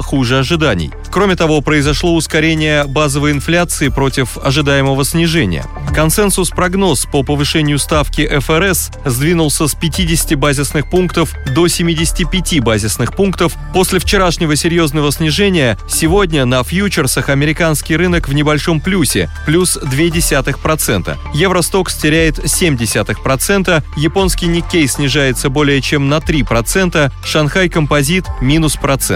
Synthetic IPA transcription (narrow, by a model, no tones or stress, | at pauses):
xuʐɨɐʐɨd̪anʲɪ̰j | kɾo̞mʲɪt̪ɐvo̞pɾəɪzɐʂlˠo̞ʊskɐɾʲenʲɪjəbazəvəjɪnflʲat̪sɨɪpɾo̞tʲɪfɐʐɨd̪ajɪməvəsʲnʲɪʐɛnʲɪ̰jə̰ | kɐnsɛnsʊspɾɐɡno̞spəpəvɨʂɛnʲɪjʊst̪afkʲɪʔɛfɛɾɛs | zd̪vʲinʊlˠsʲəspʲɪtʲidʲɪsʲɪ̥tʲɪbazʲɪsnɨxpunkt̪əfd̪o̞sʲɪmʲidʲɪsʲɪ̥tʲɪpʲɪtʲibazʲɪsnɨxpunkt̪əf | po̞sʲlʲɪft͡ɕɪɾaʂnʲɪvəsʲɪɾʲjo̞znəvəsʲnʲɪʐɛnʲɪjəsʲɪvo̞dʲnʲənəfjut͡ɕɪrsəxɐmʲɪɾʲɪkanskʲɪjɾɨnəkvnʲɪbɐlʲʂo̞mplʲusʲɪ̰plʲusd̪vʲedʲɪsʲat̪ɨxpɾɐt̪sɛ̰nt̪ə̰jevɾəst̪o̞ksʲtʲɪɾʲæjɪt̪sʲemʲdʲɪsʲat̪ɨxpɾɐt̪sɛnt̪əjɪpo̞nskʲɪjnʲɪkʲːejsʲnʲɪʐajɪt̪səbo̞lʲɪjət͡ɕemnɐt̪ɾʲipɾɐt̪sɛnt̪əʂɐnxajkəmpɐzʲit̪mʲinʊspɾɐt̪sɛ̰